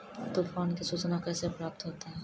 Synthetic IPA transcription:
t̪ofankesut͡ɕonakɛsepɾap̚t̪oɦot̪e

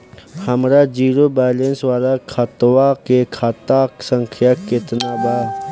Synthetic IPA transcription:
həmɾad͡ʒiːɾobaːlẽnswaːlakʰət̪wakekʰat̪aksə̃ŋkʰjakɪt̪nabaː

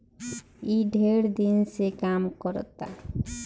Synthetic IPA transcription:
iɖʱeɽd̪insekamkɔɾɔ̰t̪a̰

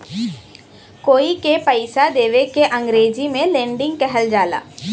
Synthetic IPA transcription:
koːikepəɪsad̪eːʋekeʔɐ̃ŋɡɾeːd͡ʒimẽlẽːɳɖɪ̃ŋɡ̚kɛɦəld͡ʒaːla̰ː

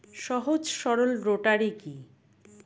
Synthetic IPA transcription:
ʃɔɦod͡ʑʃɔɾolɾoʈaɾiki

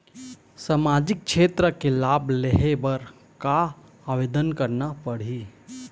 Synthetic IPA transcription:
səmaːd͡ʒɪk̚ʃʰeːt̪ɾəkelaːbleɦebəɾ | ka | aːʋeːd̪ənkəɾnapəɽ̤iː

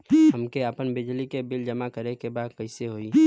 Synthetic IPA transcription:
ɦəmkeəpənbɪd͡ʒlikebɪld͡ʒəmakəɾekebaːd̪kəɪseɦoːiː

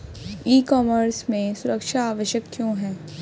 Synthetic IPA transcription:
iːkɔːməɾsmẽsʊɾəkʃaːʋəʃjəkːjõɦɛ̃ː

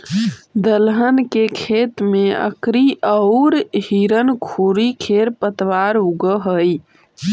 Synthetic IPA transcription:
d̪əlɦənkekʰet̪meə̰kɾiʔəʊɾhiɾənkʰuɾikʰeɾpət̪ʋaɾuɡəɦəj

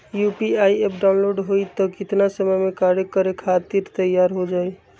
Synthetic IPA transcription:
jupiajepɖaw̃nloɖɦojt̪ɔkit̪nasəməjmekaɾekəɾekʰat̪iɾt̪əjaɾɦod͡ʒaj

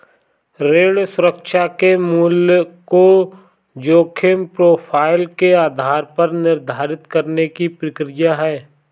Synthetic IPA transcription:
ɾeːɭsʊɾəkʃakemʊlko | d͡ʒoːkʰɪmpɾoːpʰaːɪlkeaːd̪ʱaːɾpəɾnɪɾd̪ʱaːɾɪt̪kəɾnekipɾɪkɾɪjaɦɛː

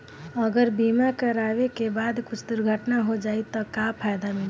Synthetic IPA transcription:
əɡəɾbiːmakəɾaːʋekebaːd̪kʊt͡ʃʰd̪ʊɾɡʱəʈnaɦod͡ʒaːit̪ɔkapʰaːjd̪amɪl

